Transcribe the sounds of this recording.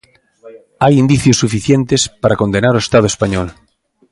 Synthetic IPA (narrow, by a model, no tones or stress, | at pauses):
ajind̪iθjosːufiθjent̪espaɾako̞nd̪enaɾoest̪að̞oespaɲol